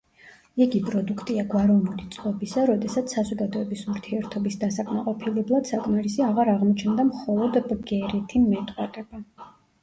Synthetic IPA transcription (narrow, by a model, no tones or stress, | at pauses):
iɡipʼɾɔd̪ukʰt̪ʼiaɡwaɾɔvnulit̪sʼqʼɔbisaɾɔd̪ɛsat̪sʰsːazɔɡad̪ɔɛbisuɾt̪ʰiɛɾt̪ʰɔbisd̪asakʼmaqʼɔpʰilɛblˠad̪̥sakʼmaɾisiaʁaɾaʁmɔt͡ʃʰnd̪amχɔlˠɔd̪ɡɛɾɛt̪ʰimɛt̪ʼqʼwaɾʼɛba